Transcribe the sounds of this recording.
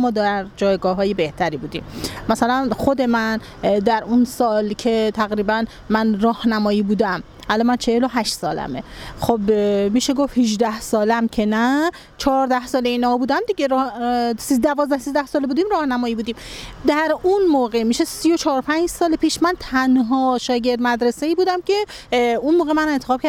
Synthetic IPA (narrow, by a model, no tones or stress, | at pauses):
mɒːd̪æɾd͡ʒɒːjɡɒːɦɒːjebe̞ht̪ʰæɾiːbuːd̪ḭːmmæsælænxod̪e̞mæn | d̪æɾunsɒːlcʰe̞t̪ʰæɣɾiːbæn | mænɾɒːhnæmɒːjiːbuːd̪æm | ʔælɒmænt͡ʃʰeheloɦæʃt̪sɒ̰ːlæ̰mexobmiːʃeɡofhiʒd̪æhsɒːlæmcʰe̞næ | t͡ʃʰɒːɾd̪æhsɒːleiːnɒːbuːd̪æmd̪iɟeɾsid̪ævɒːzd̪æhsiːzd̪æhsɒːlebuːd̪iːmɾɒːhnæmɒːjiːbuːd̪iːmd̪æɾunmoːɣe̞miːʃesijo̞t͡ʃʰɒːɾopʰænd͡ʒsɒːlepʰiːʃmænt̪ʰænɦɒːʃɒːɟe̞ɾd̪mæd̪ɾe̞seiːbuːd̪æmcʰe̞ | unmoːɣemæne̞nt̪e̞xɒːb̥̚kʰæɾ